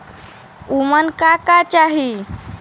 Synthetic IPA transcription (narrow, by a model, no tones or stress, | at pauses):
umənkakat͡ɕaɦi